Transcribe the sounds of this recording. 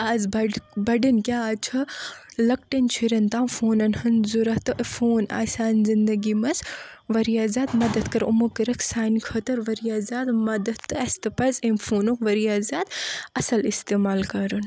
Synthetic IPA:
aːzbɐɖbɐɖinkʲjaːt͡ʃʰɐlɐk̚ʈɐnt͡ʃʰiɾɐnt̪ãːfoːnɐnhɐnzuɾɐt̪ɨʔfoːna̰ːsaːnzind̪ɐɡimɐsʋɐɾijaːzaːd̪mɐd̪ɐd̪kɐɾumukɐɾɐkʰsaːnikʰɐt̪ɐɾʋɐɾijaːzaːd̪mɐd̪ɐt̪ːɨɐst̪ɐpɐzemfʰoːnukʋɐɾijaːzaːt̪ɐsɐlist̪eːmaːlkɐɾɨn

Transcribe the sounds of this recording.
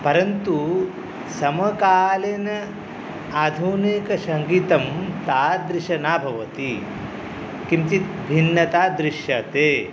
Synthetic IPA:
pɐɾɐnt̪u | sɐmɐkaːlenɐ | aːd̪ʱunekɐsɐŋɡiːt̪ɐmt̪aːd̪ɾiʃɐnaːbʱɐʋɐt̪i | kimt̪it̪ | bʱinːɐt̪aːd̪ɾiʃjɐt̪eː

